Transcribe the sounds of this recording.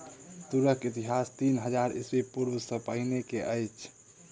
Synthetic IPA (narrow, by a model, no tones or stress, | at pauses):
t̪uɾəkit̪iɦast̪inɦəd͡ʒaɾḭswipuɾwsə̃pəɦinekeʔəjt͡ʃʰ